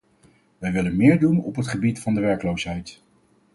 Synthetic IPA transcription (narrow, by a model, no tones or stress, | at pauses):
ʋɛjʋɪlənmɪːɹdunɔ̰pɦətχəbitfɑndəʋɛɹkəlowsɦɛjt